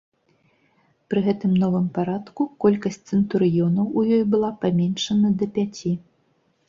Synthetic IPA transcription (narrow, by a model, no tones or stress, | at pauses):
pɾɨɣɛt̪ɨmnɔvɨmpaɾat̪kukɔlʲkɐsʲt͡sʲt̪sɨnt̪uɾɨjɔnɐwʔujɔjbɨlˠapamʲɛnʂɐnɐd̪ɐpʲat͡sʲi